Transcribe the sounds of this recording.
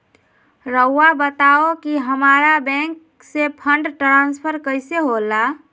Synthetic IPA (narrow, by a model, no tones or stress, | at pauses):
ɾəːabət̪aokiɦəmaɾabɛ̃ŋk | sepʰəɳɖʈɾãnspʰəɾkəɪseɦola